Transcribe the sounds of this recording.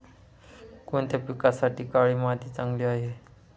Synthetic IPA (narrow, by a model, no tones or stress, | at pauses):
koɳt̪apikasaʈiːkaɭiːmad̪iːt͡saŋɡliaɦe